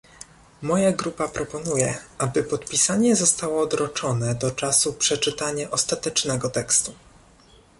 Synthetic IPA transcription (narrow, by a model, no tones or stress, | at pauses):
mɔjaɡɾupapɾɔpɔnujɛabɘpɔt̪pʲisaɲɛzɔst̪awɔːd̪ɾɔt͡ʂɔnɛd̪ɔt͡ʂasupʂɛt͡ʂɘt̪aɲaʔɔst̪at̪ɛt͡ʂnɛɡɔt̪ɛkst̪u